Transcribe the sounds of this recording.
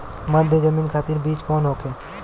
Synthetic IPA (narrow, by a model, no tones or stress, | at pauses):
məd̪ʱjəd͡ʒəmiːnkʰaːt̪iːɾbiːt͡ʃkɔːnɦoːkeː